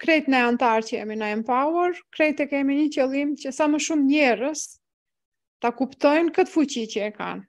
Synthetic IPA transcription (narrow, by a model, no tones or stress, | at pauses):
kɾɛjt̪nɛant̪aɾcəɛ̰minaɛmpawuɾkɾɛjt̪ɛkɛmiɲəcəlˠimcəsaməʃumɲɛrəs | t̪akupt̪ɔjnkət̪fut͡ɕicəɛka̰n